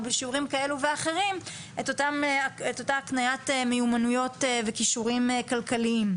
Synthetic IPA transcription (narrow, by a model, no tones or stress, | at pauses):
beʃiuʁimkae̞luveaχe̞ʁim | etotameto̞taknajatmejumanujo̞tve̞kiʃuʁimkalkaliim